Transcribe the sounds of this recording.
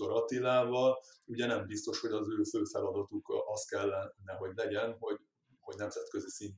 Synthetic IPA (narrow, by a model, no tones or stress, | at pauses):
oɾɒt̪ilaːvɒluɟɛnɛmbist̪o̞ʃho̞ɟɒzøːføːfɛlɒd̪ɒt̪ukɒst̪̚kɛlːɛnːɛɦo̞ɟlɛɟɛnɦo̞ɟ | ho̞ɟnɛmzɛt̪køzisin